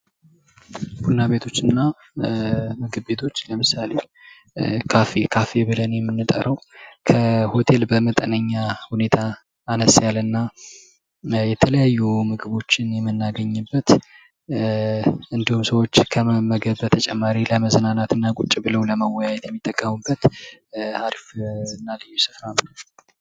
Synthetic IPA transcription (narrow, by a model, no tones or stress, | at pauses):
b̥unːaβe̞t̪ʰo̞t͡ʃːɨnːa | mɨɡɨbːe̞t̪ʰo̞t͡ʃːləmɨsale̞ | kʰafekʰafe̞βɨlənjɛmːɨnːɨt̪ʼə̰ɾəwkʰəho̞t̪ʰe̞lbəmət̪ʼənəɲːahune̞t̪ʰaː | nəsjalɨnːa | jɛt̪ʰələjajːumɨɡɨβo̞t͡ʃːɪnjɛmːɨnːaɡəɲːɨbːət̪ | ʔɨnd̪ihumsəwo̞t͡ʃːkʰəməɡəβbət̪ʰət͡ʃʼɛmːaɾiləməznanat̪ʰɨnːakʼut͡ʃʼːibɨləwləməwɔjajɛt̪jɛmːit̪ʼːəkʼːəmubːət̪ | aɾifnːalɨjːusɨfɾanə